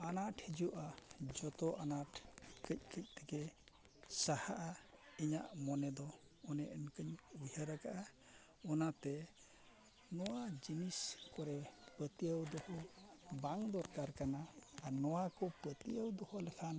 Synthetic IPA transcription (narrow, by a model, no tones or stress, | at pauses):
anaʈhid͡ʒuʔad͡ʒɔt̪ɔʔanaʈkəc̚kəc̚ˀt̪ɛkɛ | sahaʔaiɲaʔmɔnɛd̪ɔ | ɔnɛʔənkəɲuhəɾakaʔa | ɔnat̪ɛ | nɔwad͡ʒiniskɔɾɛpət̪ijəwd̪ɔhɔbaŋd̪ɔɾkaɾkanaːnɔwakɔpɾət̪iəwd̪ɔhɔlɛkʰan